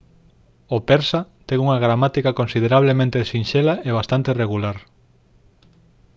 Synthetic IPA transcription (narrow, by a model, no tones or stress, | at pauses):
opeɾsat̪eŋuŋaɣ̞ɾamat̪ikakonsið̞eɾaβ̞lemẽnt̪esinʃelaeβ̞ast̪ant̪ereɣulaɾ